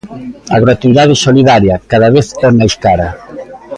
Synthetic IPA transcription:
aɣɾot̪uiðað̞ɪsoliðaɾjakaðaβeθɛmajskaɾɐ

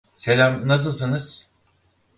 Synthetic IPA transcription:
selʲæmnas̬ɯlˠs̬ɯnɯz̥

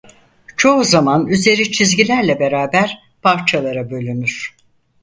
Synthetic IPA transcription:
t͡ʃʰo̞uzamanyze̞ɾit͡ʃʰizɟilʲæɾlʲɛbe̞ɾaːbæɾ̥ | pʰaɾt͡ʃʰalˠaɾabø̞lʲynyɾ̥

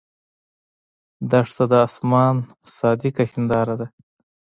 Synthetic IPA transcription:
d̪aʂt̪ad̪əɑsmɑn | sɑd̪ɪkaxɪnd̪ɑɾad̪a

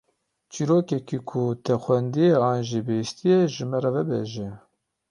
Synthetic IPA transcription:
t͡ʃiɾoːkɛkikʰut̪ʰɛxʷwɛnd̪ijeɑːnʒibɨjist̪ijɛʒɨmɛɾɛvɛbɛʒɛ

